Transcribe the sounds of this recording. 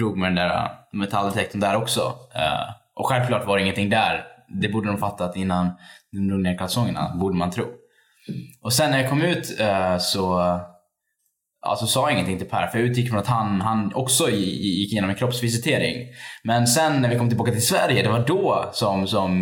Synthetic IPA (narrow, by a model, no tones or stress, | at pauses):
ɾuːɡmɛd̪ɛnd̪æɾa̰mɛt̪ʰald̪ɛt̪ʰɛk̚t̪ənd̪æɾɔksɔ̰ | ʔɔɧɛlvkʰlɑːʈvaɾɛɪŋːənt̪ʰɪŋd̪æɾd̪ɛbuːɖəd̪ɔmfat̪ːat̪ɪnːand̪ɔmɾuːɡneːɾkʰlasɔŋːəna̰buːɖəmant̪ʰɾṵː | ɔsɛnːæɾjakʰɔmːʉ̟ːt̪sɔ | ʔɑ̰sɔsɑːɪŋːənt̪ʰɪŋt̪ʰɪlpʰæ̰ːɾfœɾʉt̪ʰjɪkːəfɾɔnat̪hanɦanɔksɔjɪkːɪjeːnɔmɛnkʰɾɔpsvɪs̬ɪt̪ʰeːɾɪ̰ŋmɛnsɛnːæɾvɪkɔmt̪ɪlbɑːkat̪ʰɪlsvæɾjəd̪ɛvaɖɔsɔmsɔm